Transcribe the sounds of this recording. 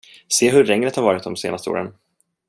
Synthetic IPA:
seːɦɵɾːɛŋɾət̪haɾvɑːɾɪt̪̚d̪ɔmsḛːnast̪əo̰ːɾə̰n

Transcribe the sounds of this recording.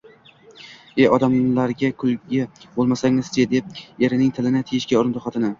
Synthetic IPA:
eʔɒd̪amlaɾɡʲakʰʊlˠɡʲabolˠmasaŋʲɪzt͡ʃed̪ep̚e̞ɾɪnɪŋt̪ʰɪlɪnɪt̪ʰejɪʃɡʲaʊɾɪnt̪ʰoχat̪ʰɪnɪ

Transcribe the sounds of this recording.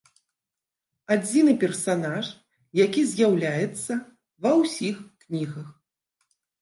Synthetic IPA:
ad͡zʲinɨpʲɛrsanaʂ | jakʲizʲjawlʲajɛt̪sːɐ | vɐwsʲixknʲiɣɐx

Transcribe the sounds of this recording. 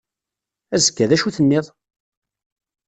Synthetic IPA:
æzəkːæðæʃuθənːɪðˤ

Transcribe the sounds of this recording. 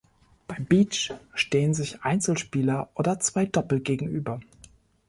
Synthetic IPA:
b̥aɪbiːt͡ʃʃteːənzɪçʔa̰ɪnt͡sl̩ʃpiːlɐʔoːdɐt͡sv̥aɪdɔpl̩̚ɡ̥eːɡŋ̩ʔyːbɐ

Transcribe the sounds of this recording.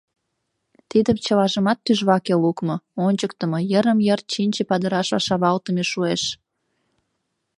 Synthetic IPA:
t̪id̪əmt͡ɕəlɑʒəmɑt̪ːyʒβɑkelukmŏonʲt͡ɕəkt̪ə̆mojəɾəmjərt̪̚t͡ɕinʲt͡ɕepɑd̪əɾɑʃβɑʃɑβɑlt̪əmeʃueʃ

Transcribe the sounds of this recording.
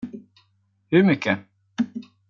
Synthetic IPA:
hɵɾmʏkʰːə

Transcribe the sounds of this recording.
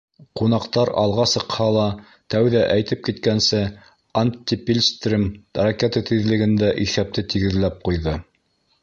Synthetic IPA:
qun̪ɑqt̪ɑɾɑ̰lˠʁɑsɤ̆qhɑlˠɑ | t̪æwðæʔæjt̪ɘp̚kit̪kænsɘ | anʲt̪ʲːipʲilʲst̪rʲimrakʲet̪at̪iðlɘ̆ɡɘ̆nd̪æʔiθæp̚t̪ɘt̪iɡɘ̆ðlæp̚qujðɤ

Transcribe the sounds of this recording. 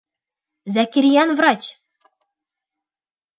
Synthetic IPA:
zækʲiɾʲijɑnvrɑt͡ɕ

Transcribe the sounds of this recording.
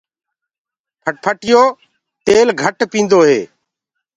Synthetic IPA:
pʰəpʰəʈɪjoː | t̪eːlɡʱəʈpĩːnd̪oːɦḛː

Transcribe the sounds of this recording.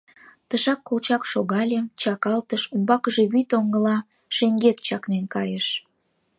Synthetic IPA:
t̪əʃɑkːolt͡ɕɑkʃoɣɑlʲet͡ɕɑkɑlt̪əʃumbɑkəʒe̽βyt̪oŋɡəlɑ | ʃeŋɡet̪t͡ɕɑknenkɑjeʃ

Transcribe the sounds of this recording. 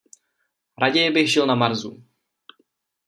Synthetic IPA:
ɾaɟɛjɪbɪxʒɪlnamaɾzu

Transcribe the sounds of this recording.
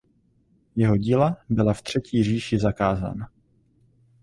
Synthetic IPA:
jɛɦo̞ɟiːlabɪlaft̪r̝̥ɛciːriːʃɪzakaːza̰ːna

